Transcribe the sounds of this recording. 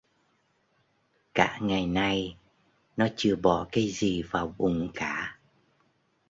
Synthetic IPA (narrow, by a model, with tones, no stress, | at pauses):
ka̰ː˧˥ŋa˨˩jna˧j | nɔ˨˦t͡ɕɨ˧˩əɓɔ˧˩kaː˨˦jzi˨˩vaː˨˩wɓʊ˨˩ŋ͡mkaː˧˩˨